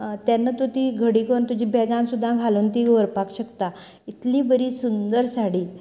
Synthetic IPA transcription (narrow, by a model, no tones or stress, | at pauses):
t̪janːət̪ut̪iːɡʱəɽikoɳt̪ud͡ʑĩbɛɡãnsud̪ʱːãɡʱalont̪iɡəɾpakɕəkt̪a | it̪liːbəɾiːsund̪əɾsaɽiː